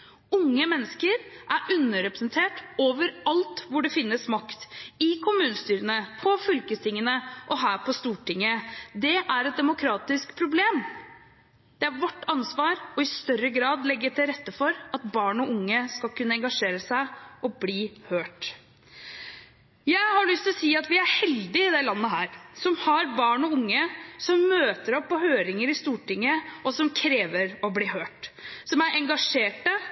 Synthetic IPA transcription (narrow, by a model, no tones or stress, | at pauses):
ʊŋːəmɛnːəskəɾʔæɾʔʉnːəɾɛpɾəsnt̪ʰeːʈoːʋəɾɑlt̪ʋʊɖɛfɪnːəsmɑkt̪ɪkʰʊmʉːnəst̪yːɾənəpʰɔfʏlkət̪ʰɪŋːənəʔɔɦæːɾpʰɔst̪uːʈɪŋːəd̪ɛʔæɾɛt̪̚d̪ɛmʊkʰɾɑːt̪ɪskpʰɾʊbleːm | d̪̥ɛæɾʋɔʈːɑnsʋɑːɾɔɪst̪œɾəɡɾɑːd̪lɛɡːət̪ʰɪlɾɛt̪ːəfɔɾɑt̪̚bɑːɳɔʊŋːəskɑlkʉnːəɛŋɡɑʂeːɾəsæɪɔbliːhøːʈ | jæɪhɑɭʏst̪ɪlɔsiːɑt̪ʋɪæɾhɛld̪ɪɪd̪ɛlɑnːəɦæːɾsɔmhɑɾbɑːɳɔʊŋːəsɔmːøːt̪əɾɔpːɔhøːɾɪŋəɾɪst̪uːʈɪŋːəɔsɔmkʰɾeːʋəɾɔbliːɦøːʈsɔmæʔɛŋɡɑʂeːʈə